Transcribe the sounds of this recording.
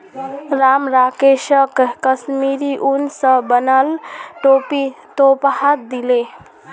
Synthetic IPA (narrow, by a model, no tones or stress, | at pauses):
ɾamɾakeʃəkːəsmiɾiʔunsə̃bənəlʈopi | t̪opɦat̪̚d̪ile